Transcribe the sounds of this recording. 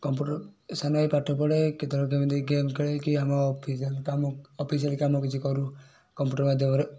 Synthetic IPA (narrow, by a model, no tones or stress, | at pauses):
kɔmpuʈɔɾsanajpaʈʰɔp̬ɔɽeket̪ʰɔlɔk̬emɔd̪iɡemkeɭekiamapʰislkamɔpʰis̬ialkamɔkit͡ʃʰikɔɾu | kɔmpjuːʈɔɾmad̪ʱjɔmɔɾe